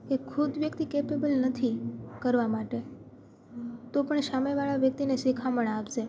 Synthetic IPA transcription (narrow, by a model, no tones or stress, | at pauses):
kekʰud̪ʋjəkt̪ikepebəlnət̪ʰikəɾʋamaʈe | t̪opəɳʃameʋaɭaʋjək̚t̪inesikʰaməɳapt͡ʃe